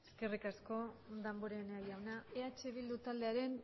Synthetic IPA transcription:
eske̞rikasko̞d̪amboɾeneajawnae̞at͡ʃeβild̪ut̪ald̪e̞aɾe̞n

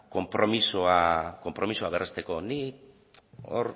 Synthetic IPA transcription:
ko̞mpɾo̞misoako̞mpɾo̞misoaβ̞erʔest̪e̞ko̞nik | o̰r

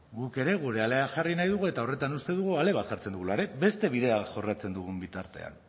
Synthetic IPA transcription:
ɡuke̞ɾe̞ɣuɾe̞ale̞aʝarinajðuɣue̞t̪ao̞re̞t̪anust̪e̞ðuɣ̞uale̞βat̪xaɾt͡send̪uɣulaɾe̞be̞st̪e̞βiðe̞aʝo̞rat͡se̞nd̪uɣ̞umbit̪aɾt̪e̞̰a̰n

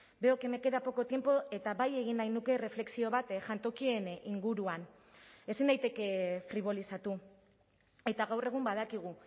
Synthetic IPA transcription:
be̞o̞ke̞me̞ke̞ðapo̞ko̞t̪je̞mpo̞e̞t̪aβaje̞ɣ̞inːajnuke̞re̞fle̞ksio̞βat̪ʝant̪o̞kie̞niŋɡuɾuan | e̞sinajt̪e̞ke̞fɾiβ̞o̞lisat̪u | e̞t̪aɣawre̞ɣ̞umbað̞akiɣ̞u

